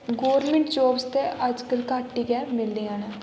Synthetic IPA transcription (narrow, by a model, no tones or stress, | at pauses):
ɡoːɾmẽɳʈt͡ʃoːpst̪ead͡ʒkəlkaːʈːikɛmɪld̪eaːna